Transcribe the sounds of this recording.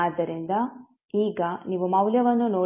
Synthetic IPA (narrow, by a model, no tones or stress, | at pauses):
aːd̪ːɐɾind̪ɐ | iːɡɐniːʋumɐwljɐʋɐnːunoː